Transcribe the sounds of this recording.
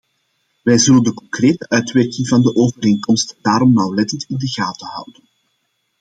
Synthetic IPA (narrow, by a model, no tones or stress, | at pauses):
ʋɛjzɵləndəkɔŋkreːtəʔœɥtʋɛrkɪŋvɑndəʔoːvəɾeːŋkɔmstd̥aːɾɔmnɑwlɛtəntɪndəɣaːtəhɑ̰wdən